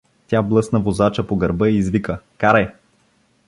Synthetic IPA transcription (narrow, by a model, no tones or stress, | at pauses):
t̪ʲjablˠɤsnəvozat͡ʃəpoɡɐɾbəiːzvikəkaɾɐj